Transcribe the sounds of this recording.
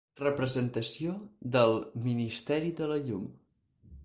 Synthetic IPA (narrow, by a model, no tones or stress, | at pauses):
rəpɾəzənt̪əsioðəlˠminist̪ɛɾiðələʎum